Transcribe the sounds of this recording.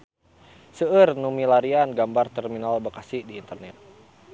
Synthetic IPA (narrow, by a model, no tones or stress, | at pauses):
səərnumilaɾianɡambart̪ɛrminalbəkasidiːnt̪ərnɛt̪̚